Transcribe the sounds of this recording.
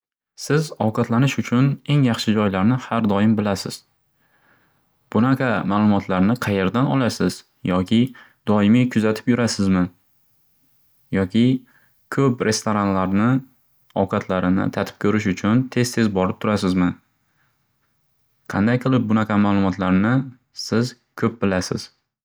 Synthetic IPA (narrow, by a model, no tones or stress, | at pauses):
sɪzɒwqɑt̪lanɪʃʊt͡ʃʰʊne̞ŋjɑχʃɪd͡ʒɒjlaɾnɪhaɾd̪ɒɪmbɪlasɪz̥ | b̥ʊnaqʰɑmaːlˠʊmɒt̪ʰlaɾnɪqʰɑje̞ɾd̪anɒ̰lˠasɪz̥ | jɒkʲʰɪ | d̪ɒɪmijkʰʊzat̪ʰɪ̥pjʊɾasɪzmɪ | jɒkʲʰɪ | kʰɵpɾʔe̞st̪oɾanlaɾnɪ | ɒwqʰɑt̪ʰlaɾɪnɪ̰t̪ʰat̪ʰɪ̥p̚kʰɵɾɪʃ̬ʊt͡ʃʰʊnt̪ʰe̞zt̪ʰe̞zbɒɾɪp̚t̪ʰʊɾasɪzmɪ | qʰɑ̰nd̪ajqʰɨlˠɪp̚bʊnaqʰɑmaːlˠʊmɒt̪laɾnɪ | sɪz | kʰɵp̚bɪlasɪ̰z̥